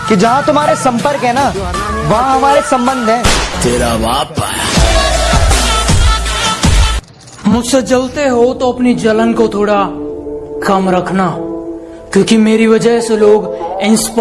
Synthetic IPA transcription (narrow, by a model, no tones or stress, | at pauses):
kid͡ʒɐɦãt̪ʊmaːɾesɐ̃mpəɾkɦɛ̃na | ʋɐɦãɦɐmaːɾesɐ̃mbə̃nd̪ʱɦɛ̃ːt̪eːɾaʋaːpa̰ːja̰ | mʊd͡ʒʱsed͡ʒɐlt̪eɦot̪oɐpnid͡ʒɐlənkot̪ʰoːɽa | kɐmɾɐkʰnaː | kjõːkimeːɾiʋɐd͡ʒəseloːɡɪ̃nsp